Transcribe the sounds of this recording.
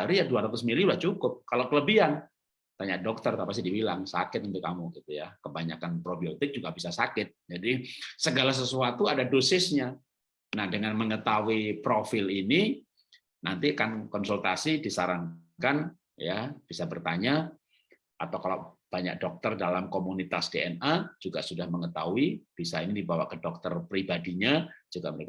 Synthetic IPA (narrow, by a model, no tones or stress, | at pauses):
aɾijaduaɾat̪ʊsmiliulaht͡ʃukʊp̚kalawkələbiɦan | t̪aɲaʔ̚dɔk̚t̪ərt̪apas̬idibilaŋsakɪt̪̚unt̪ʊkːamuɡit̪ujakəbaɲa̰kanpɾobiot̪ɪk̚d͡ʒuɡabisasakɪt̪̚d͡ʒadisəɡalas̬əsuat̪uadadosɪsɲa | nahdəŋanməŋət̪awipɾofɪlini | nant̪ikankɔnsult̪asidisaɾaŋkan | jab̥isabərt̪aɲa | ʔat̪awkala̰wb̥aɲa̰k̚dɔk̚t̪ərdalamkomunit̪asdeɛnad͡ʒuɡa̰ʔsudahməŋət̪auib̥isainidibawa̰ʔkədɔk̚t̪ərpɾibadiɲad͡ʒuɡaməɾek